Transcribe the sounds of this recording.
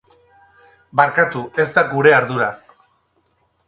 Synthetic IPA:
baɾkat̪uʔe̞zt̪aɡuɾe̞aɾðuɾa

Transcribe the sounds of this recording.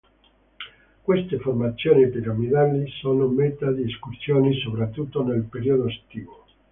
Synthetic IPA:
kwest̪eformat̪sːjoːnipiɾamid̪alisoːnomet̪ad̪ieskursjoːnisopɾat̪ːut̪ːonelpeɾiod̪oast̪iːvo

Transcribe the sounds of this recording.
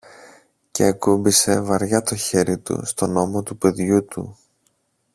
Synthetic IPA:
cḛɐkumbise̞vɐɾʝɐt̪o̞çe̞ɾit̪ṵst̪o̞no̞mo̞t̪upe̞ðʝut̪ṵ

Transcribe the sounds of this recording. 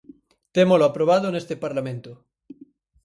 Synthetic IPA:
t̪emoloapɾoβ̞að̞onest̪epaɾlamẽnt̪o

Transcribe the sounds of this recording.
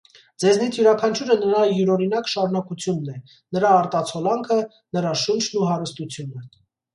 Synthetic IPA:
d͡zɛznit͡sʰjuɾɑkʰɑnt͡ʃʰuɾənəɾɑjuɾɔɾinɑkʃɑɾunɑkut͡sʰjunːɛ | nəɾɑːɾt̪ɑt͡sʰɔlɑŋkʰə | nəɾɑʃunt͡ʃʰnuɦɑɾəst̪ut͡sʰjunə

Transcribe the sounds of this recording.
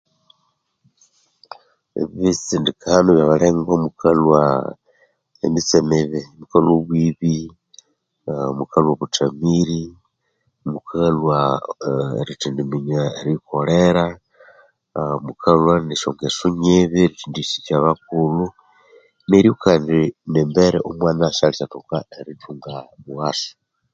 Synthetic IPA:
ḛβiβit͡sindikʰanoβjaβaleŋɡomukʰalwa̰ | ḛmit͡semeβemukaloβwiβi | mukalwoβut͡ʃamiɾi | mukʰalwa̰ | ɾitindimiɲaeɾikoleɾa | mukʰalwaneʃo̰ŋɡesuɲeβeɾit͡ʃiːndisit͡ʃaβak̚ulu | meɾiukaːndinembeɾḛʔomwaːnaʃaliʃatukaeɾituːŋɡamuɣaso̥

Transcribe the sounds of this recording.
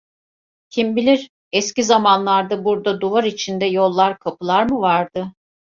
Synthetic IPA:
cʰimbilʲiɾ | ɛscizamanlˠaɾd̪abuɾd̪ad̪uvaɾit͡ʃʰind̪ɛjo̞lˠːaɾkʰapʰɯlˠaɾmɯvaɾd̪ɯ

